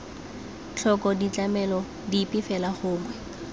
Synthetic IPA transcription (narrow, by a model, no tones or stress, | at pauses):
t͡ɬʰɔkɔdit͡ɬamɛlɔ | dipʼɪfɛlaχʊːŋwɛ